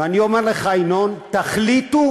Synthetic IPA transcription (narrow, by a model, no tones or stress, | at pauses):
aniomeʁleχajnont̪aχlit̪u